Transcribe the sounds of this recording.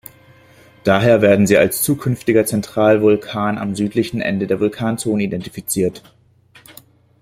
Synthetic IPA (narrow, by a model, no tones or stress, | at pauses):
d̥aːɦeːɐveːɐdn̩ziːalst͡suːkʰʏnftɪɡɐt͡sɛntʁ̥aːlvʊlkʰaːna̰mzyːtlɪçn̩ʔɛ̰ndədeːɐvʊlkʰaːnt͡soːnəidɛntifit͡siːɐt